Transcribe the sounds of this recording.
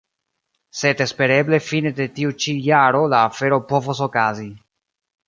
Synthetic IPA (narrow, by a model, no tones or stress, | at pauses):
se̞de̞spe̞ɾe̞ble̞fine̞de̞tiut͡ʃijaɾo̞laːfe̞ɾo̞po̞vos̬o̞kazi